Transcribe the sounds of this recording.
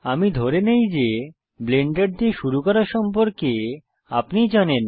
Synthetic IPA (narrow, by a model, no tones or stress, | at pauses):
amid̪ʱoɾenejd͡ʑe | bleɳɖeɖ̚t̪eʃuɾukɔɾaʃɔmpoɾke | a̰pnid͡ʑanen